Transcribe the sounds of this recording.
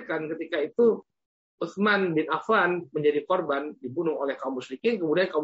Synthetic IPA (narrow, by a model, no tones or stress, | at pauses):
kankət̪ikait̪u | ʔuθmanbɪnafanməɲd͡ʒadikɔrbandibunʊŋolɛhkaumusɾikɪnkəmudiankaum